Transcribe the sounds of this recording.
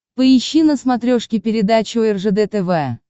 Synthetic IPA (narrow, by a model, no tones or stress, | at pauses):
pəɪɕːinəsmat̪ɾʲoʂkʲɪpʲɪɾʲɪd̪at͡ɕʊɛrʐɨd̪ɛt̪ɛvɛ